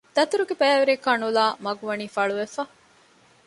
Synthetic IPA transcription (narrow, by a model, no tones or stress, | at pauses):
d̪̥ɐt̪uɾuɡebæːʋeɾekɐnulaːmɐɡuʋɐniːfɐɭuʋefɐ